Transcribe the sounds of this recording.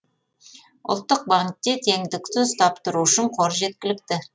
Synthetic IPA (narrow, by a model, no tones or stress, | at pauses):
ʊ̰lˠt̪ːəq̚baŋk̚t̪e̞t̪ʰe̞ŋd̪ɪksʏzt̪ʰɑpt̪əɾuʊʃɪɴqʰoɾʒe̞t̪̚kʲɪlɪkt̪ɪ